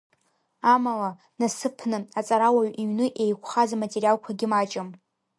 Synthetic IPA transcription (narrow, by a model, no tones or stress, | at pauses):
amala | nasɨpʰnɨat͡sʼaɾawaɥiɥnɨʔejkʷʰχazamatʼerijalkʷʰaɡʲɪmat͡ʃʼɪm